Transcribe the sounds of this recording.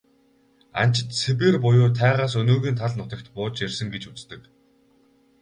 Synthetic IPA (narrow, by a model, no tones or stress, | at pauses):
a̰n̥t͡ɕɪ̆t̪sʰepeːrpʊjʊːt̪ʰæːʁaːs̬ɵnoːɣiːnt̪ʰaɮnʊt̪ə̆k̚t̪pʊːt͡ɕersɘ̆ŋɡet͡ɕut͡st̪ɘ̆k